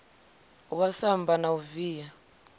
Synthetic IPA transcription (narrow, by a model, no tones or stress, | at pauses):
wasambanauviːja